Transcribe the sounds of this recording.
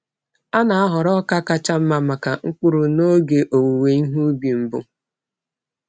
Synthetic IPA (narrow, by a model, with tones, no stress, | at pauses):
a˦na˨a˦ɦʊ˨ɾɔ˦ka˦ka˦t͡ʃa˦m̩˦ma˦ma˨ka˨ŋ̩˦k͡pʊ˦ɾu˨no˦ɡe˨ʔo˨wu˨we˨i˦ɦu˦bi˨m̩˨bʊ˦